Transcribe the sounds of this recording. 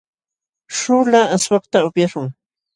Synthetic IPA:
ʃʊlaaswɑqt̪aʊpjaʃʊŋ

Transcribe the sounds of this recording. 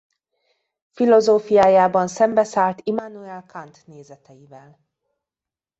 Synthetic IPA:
filo̞zoːfijaːjaːbɒnsɛmbɛsaːlt̪imanuɛlkʰant̪neːzɛt̪ɛjivɛl

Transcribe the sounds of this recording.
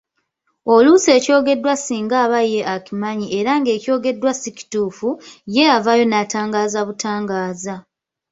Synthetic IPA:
o̞luse̞ːco̞ːɡe̞dːwasiːŋɡaːβaje̞ʔakimaɲieɾaŋɡe̞ːco̞ːɡe̞dːwasici̥tuːfuje̞avajo̞nataːŋɡaːzaβutaːŋɡaːza

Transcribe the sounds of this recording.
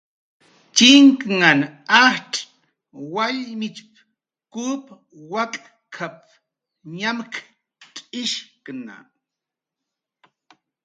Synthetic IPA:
t͡ʃiŋkŋanahʈ͡ʂʼ | waʎmit͡ʃp | kup | wakʼ | kʰap̚ | ɲamk | tʼiʃkna̰

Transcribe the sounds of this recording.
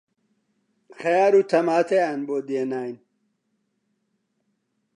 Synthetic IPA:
xejaːɾut̪ʰɐmaːt̪ʰejanboːd̪eːnaːjin

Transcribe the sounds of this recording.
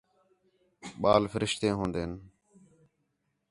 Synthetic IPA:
ɓaːlfʰəɾɪʃt̪ẽːɦõːnd̪eːn

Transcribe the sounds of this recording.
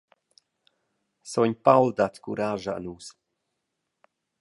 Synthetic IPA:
sɔɲʲpawlˠd̪at̪kuɾaːʒaə̰nuːs

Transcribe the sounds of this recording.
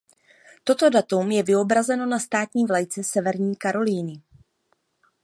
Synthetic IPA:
t̪o̞t̪o̞dat̪umjɛvɪo̞bɾazɛno̞nast̪aːt̪ɲiːvlajt͡sɛsɛvɛɾɲiːkaɾo̞liːnɪ

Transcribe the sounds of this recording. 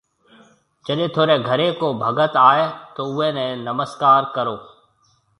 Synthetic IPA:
d͡ʒəɗẽːt̪ʰoːɾeːɡʱəɾekoːbʱəɡət̪aːeːt̪oːʊɦẽːnɛ̃nəməskaːɾkəɾoː

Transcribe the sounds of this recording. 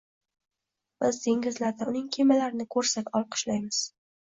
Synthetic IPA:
b̥ɪzd̪ʰeŋʲɪzlaɾd̪aʊnɪŋkʲʰemalaɾɪnɪkʰɵɾsat̪ɒlˠqʰɨ̥ʃlajmɪz̥

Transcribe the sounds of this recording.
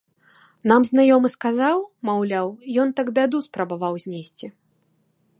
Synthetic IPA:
namznajɔmɨskazawmawlʲawjɔnt̪aɡbʲad̪uspɾɐbavawzʲnʲesʲt͡sʲi

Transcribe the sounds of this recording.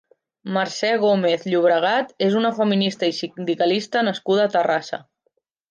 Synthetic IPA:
maɾsɛɣ̞omeθʎuβ̞ɾəɣ̞at̪ezunəfəminist̪əisind̪ikəlist̪ənəskuðəːt̪ərasə̰

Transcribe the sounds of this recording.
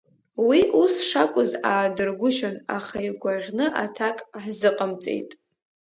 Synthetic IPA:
wiʔusʂakʷʼʊzaːdɨrɡʷʊʃʊna̰χaiɡʷaʁʲnɨʔatʰakʼħzɨqʼəmt͡sʼḛjtʼ

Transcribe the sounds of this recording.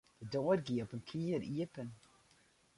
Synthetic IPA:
dədɔːɾɡiːɔpənkʰiːəɾiəpən

